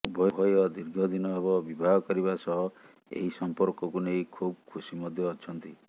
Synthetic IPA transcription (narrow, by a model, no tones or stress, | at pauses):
ubʱɔbʱɔjɔd̪iɾɡʱɔd̪inɔɦebɔbibʱaɡɔkɔɾibasɔɦɔ | ḛɦisɔmpɔɾkɔkunejkʰub̚kʰusimɔd̪ʱjɔːt͡ʃʰɔnt̪i